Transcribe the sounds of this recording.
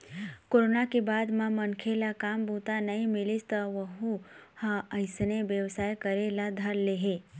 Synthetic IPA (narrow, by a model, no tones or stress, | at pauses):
koːɾonakebaːd̪mãmənkʰelakaːmbʱuːt̪anɐɦĩmɪlist̪əʋəɦuhãəɪsneʋjəʋsaːjkəɾelad̪ʱəɾleɦe